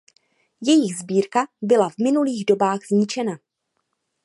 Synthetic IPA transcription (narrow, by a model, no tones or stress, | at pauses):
jɛjɪɣzbiːɾkabɪlavmɪnuliːɣdo̞baːɣzɲɪt͡ʃɛna